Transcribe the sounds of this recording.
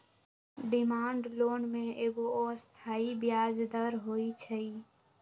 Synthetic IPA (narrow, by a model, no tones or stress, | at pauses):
ɖɪmaːɳɖloːnmẽːʔeːɡooːst̪ʰaːibɪjaːd͡ʒd̪əɾɦoːit͡ʃʰəiː